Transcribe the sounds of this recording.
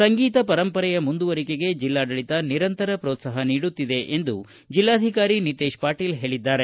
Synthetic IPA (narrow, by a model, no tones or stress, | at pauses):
sɐŋɡiːt̪ɐpɐɾɐmpɐɾɛjɐmund̪uʋɐɾikeɡe̞d͡ʒilːaːɖɐɭit̪ɐniɾɐnt̪ɐɾɐpɾoːt̪sɐɦɐniːɽut̪ːid̪e̞ʔend̪u | d͡ʒilːaːd̪ʱikaːɾinit̪eːʃpaːʈilɦe̞ːɭid̪ːaːɾe̞